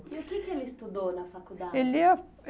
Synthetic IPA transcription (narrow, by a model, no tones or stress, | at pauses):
iʊkɪkɪelɪst̪ud̪ownɐfakud̪aelɛ